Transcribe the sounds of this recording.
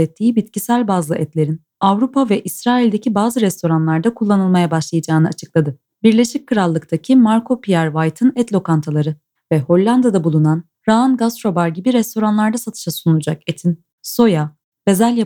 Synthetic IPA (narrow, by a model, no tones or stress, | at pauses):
ɛt̪ʰːiːibit̪cisælʲbazlˠɯʔɛt̪lʲe̞ɾin | avɾupʰavɛʔisɾaːilʲd̪ecʰibaːzɯɾɛst̪ʰo̞ɾanlˠaɾd̪akʰulˠːanɯlˠmajabaʃlˠajad͡ʒaːnɯat͡ʃʰɯ̥klˠad̪ɯ | biɾlʲe̞ʃic̚kʰːɯɾalˠːɯkt̪ʰacʰimaɾkʰo̞pʰijæɾvajt̪ʰɯnɛt̪lʲo̞kant̪ʰalˠaɾɯ | vɛho̞lʲːand̪ad̪abulˠunan | ɾaanɡast̪ɾo̞baɾɟibiɾɛst̪ʰo̞ɾanlˠaɾd̪asat̪ʰɯ̥ʃasunulˠud͡ʒaket̪ʰin | so̞ja | be̞zælʲja